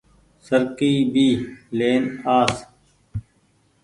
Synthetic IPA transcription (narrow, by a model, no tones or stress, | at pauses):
səɾkiːbiːleːnaːs